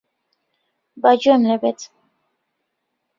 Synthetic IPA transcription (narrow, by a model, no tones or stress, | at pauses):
bad͡ʒuɛmlɛbɛt